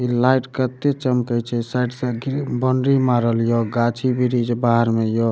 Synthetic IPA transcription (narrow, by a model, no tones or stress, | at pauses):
ilajʈkət̪ːet͡ʃəmkəjt͡ʃʰɛsajʈsə̃ɡibəɳɖɾimaɾəljoɡat͡ʃʰibʱiɾid͡ʒbaɦəɾmejo